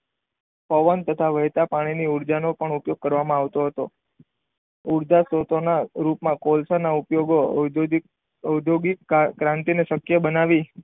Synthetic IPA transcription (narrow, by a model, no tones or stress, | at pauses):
pɔʋənt̪ət̪ʰaʋəɦjt̪apaɽ̃iniuɾd͡ʒanopəɳupjoɡ̚kəɾʋamãaʋt̪oɦət̪o | uɾd͡ʒasot̪onaɾupmãkolsanaupjoɡo | əwd̪ʱjoɡikkɾãnt̪ineʃəkjəbənaʋi